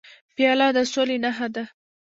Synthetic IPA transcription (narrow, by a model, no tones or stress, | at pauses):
pjɑlɑd̪əsolenaɦad̪a